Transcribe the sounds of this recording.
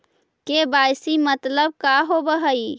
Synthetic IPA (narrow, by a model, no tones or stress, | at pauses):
kebajsimət̪ləb̚kaɦobəɦəi